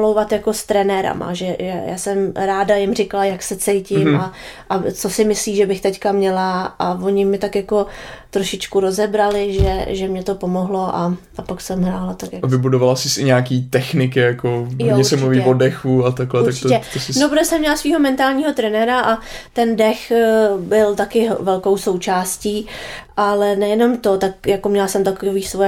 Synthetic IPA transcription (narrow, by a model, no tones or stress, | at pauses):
lowvat̪jako̞st̪ɾɛnɛɾa̰ma̰ʒɛʒɛja̰ːsɛmɾaːdajɪmrɪkalajaksɛt͡sɛjcɪmaʔat͡so̞sɪmɪsliːʒɛbɪxt̪ɛckamɲɛlaʔavo̞ɲɪmɪt̪akjako̞t̪ɾoʃɪt͡ʃkuɾo̞zɛbɾalɪʒɛʒɛmɲɛt̪o̞pomoɦlo̞ʔa | apaksɛmɦɾaːlat̪akjavɪbudovalasɪsɪɲaːkiːt̪ɛxnɪk̬ɪjakojoɲɛɾsɛmt͡ʃmuviːvodɛxuat̪aklɛt̪akt͡ʃɛt̪osɪnopɾot̪osɛmːɲɛlasviːɦo̞mɛnt̪aːlɲiːɦo̞t̪ɾɛnɛɾaʔat̪ɛndɛxbɪlt̪akɪvɛlko̞wso̞wt͡ʃaːsciːʔalɛnɛjɛno̞mt̪o̞t̪akjakomɲɛlasɛmt̪akoviːsvoj